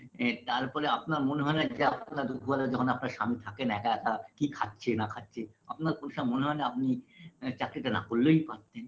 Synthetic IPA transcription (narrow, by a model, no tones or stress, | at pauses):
t̪aɾpɔɾeapnaɾmoneɦɔenad͡ʑeapnaɾd̪uɡʱualod͡ʑɔkʰonapnaɾʃamit̪ʰakenɛkaɛkakikʰatːɕʰenakʰatːɕʰeapnaɾkonoʃamoneɦɔenaap̚nit͡ɕakɾiʈana̰kolːojpaɾt̪en